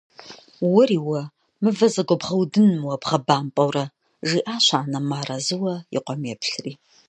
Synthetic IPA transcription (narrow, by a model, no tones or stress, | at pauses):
wʊriːwɐ | mɨvɐzɐɡʷɔbʁɐwdɨnmwɐbʁɐbaːmpʼɐwrɐ | ʒiːʔaːʃʷaːnɐmaːɾɐzɨwɐḭqʷɔmjɛpʰɬriː